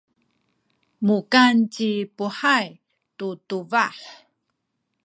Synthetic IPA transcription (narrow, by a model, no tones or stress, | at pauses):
mukant͡ɕipuħaj | tutuvaħ